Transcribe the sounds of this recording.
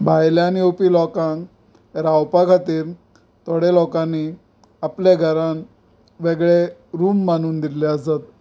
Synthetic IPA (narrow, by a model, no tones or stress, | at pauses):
bʱajljaniopilɔkãŋk | ɾawpakʰat̪iːɾ | t̪ɔɽelɔkãnːi | apleɡʱəɾãn | ʋeɡɭeɾuːmːanuːnd̪ilɛəsat̪̚